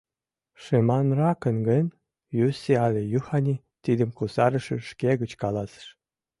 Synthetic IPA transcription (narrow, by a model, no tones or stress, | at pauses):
ʃemɑnrɑkənɡənʲ | jyseɑlʲejuhɑnʲi | t̪id̪əmkusɑɾə̆ʃĕʃkeɣət͡ɕkɑlɑsə̥ʃ